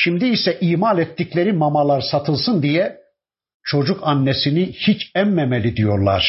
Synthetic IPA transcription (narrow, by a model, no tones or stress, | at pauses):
ʃimd̪iːsɛʔiːmalʲɛt̪ːiclʲeɾimamalˠaɾsat̪ʰɯlˠsɯnd̪ijɛ | t͡ʃʰo̞d͡ʒukʰanːesinihit͡ʃɛmːɛmelʲid̪ijo̞ɾlˠa̰ɾ̥